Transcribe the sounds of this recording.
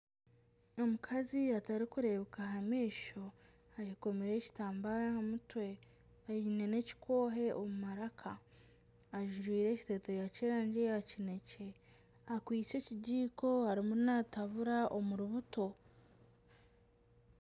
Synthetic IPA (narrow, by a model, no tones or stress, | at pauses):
o̞mukʰaziataɾikuɾe̞βekaɦamiːʃo̞ | aciko̞meɾe̞ci̥taːmbaɾahamutwe̞ | aine̞ne̞ci̥kʰo̞ːɦe̞omumaɾakʰaː | ʒuɾwiːɾe̞ːci̥tetejaceːɾaːɲɟe̞jacine̞ce̞ | akwiːt͡ʃe̞ciɟiːko̞haɾimunataβuɾaʔo̞muɾuβuto̞